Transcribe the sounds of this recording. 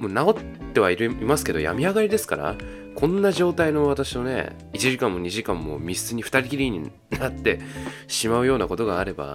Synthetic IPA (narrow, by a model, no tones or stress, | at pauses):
monao̞t̪ːe̞βaiɾimasɨ̥ke̞d̪o̞ja̰mʲiaɡaɾʲid̪e̞sɨ̥kaɾa̰ | kʰõ̞nːaʑo̞ːt̪aino̞β̞at̪aɕino̞ne̞̰ | it͡ɕiʑikãmːo̞ɲ̟iʑikãmːo̞̰mʲisɨɲ̟iɸɯ̟̥t̪aɾʲikʲiɾʲiɲ̟i | nat̪ːe̞ɕimaɯ̟jo̞ːnako̞t̪o̞ɡaːɾe̞ba̰